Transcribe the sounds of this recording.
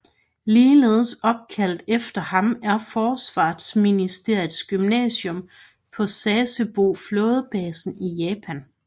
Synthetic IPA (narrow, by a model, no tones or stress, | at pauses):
liːle̝̰ːð̞̩ˠəsɒ̽b̥̚kʰæl̰d̥efd̥ɐhɑ̈mæɐfɒːsʋɑ̰̈ːd̥sminisd̥e̝ɐ̰jð̩ˠsɡ̥ymnɛ̰ːɕɔ̽m | pʰɒ̽sɛːsəb̥o̝̰ːflo̽ːð̞ˠb̥ɛːsn̩ijɛːpʰæn